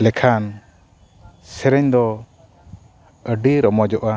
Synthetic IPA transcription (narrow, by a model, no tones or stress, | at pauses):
lɛkʰan | sɛɾɛɲd̪ɔ | əɖiɾɔmɔd͡ʒɔʔa